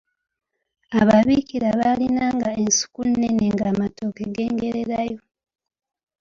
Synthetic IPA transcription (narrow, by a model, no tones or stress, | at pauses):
aβaβiciɾaβalinaːŋɡae̞nsu̥kunneneŋɡaːmatokeɡe̞ːŋɡe̞ɾe̞ɾajo̞